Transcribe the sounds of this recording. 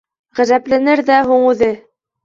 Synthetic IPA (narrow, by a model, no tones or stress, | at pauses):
ʁæ̆ðæplænɘɾðæhuɴʉðɘ